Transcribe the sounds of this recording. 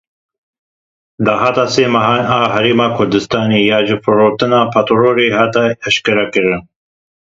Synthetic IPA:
d̪ɑːɦɑːt̪ɑːseːmɐɦɑːnaːɦɐɾeːmɑːkʰʊɾd̪ɨst̪ɑːneːjɑːʒɨfɨɾoːt̪ɨnɑːpʰat̪ɾoːɾeːhɑːt̪ɛɛʃkɐɾɐkɨɾɨn

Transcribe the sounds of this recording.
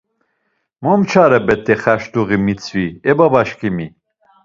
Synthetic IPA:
mɔmt͡ʃʰaɾɛbɛt̪ʰʼːɛχæʃt̪uɣimit͡sʰviɛbabaʃkʰimi

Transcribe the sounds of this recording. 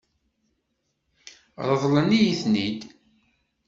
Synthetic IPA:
ɾˤəðˤlənijiθnid̪

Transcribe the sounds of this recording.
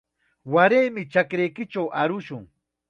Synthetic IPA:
waɾejmɪt͡ʃakɾejkɪt͡ʃawʔaɾʊʃʊŋ

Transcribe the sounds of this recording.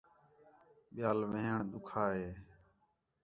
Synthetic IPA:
ɓɪjaːlʋẽːɦəɳɗ̪ʊkʰaːɦeː

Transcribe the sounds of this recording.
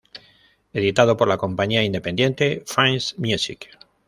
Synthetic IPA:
e̞ðit̪að̞o̞po̞ɾlakõ̞mpaɲiaind̪epe̞nd̪je̞nt̪e̞fansmjusḭk

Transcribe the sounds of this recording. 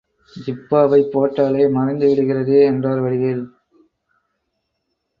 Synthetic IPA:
d͡ʒɪpːaːʋɐɪpːoːʈːaːlɐɪmɐrɐɪnd̪ɯʋɪɽɯɣɪrɐðeːɛndraːɾʋɐɽɪjɐl

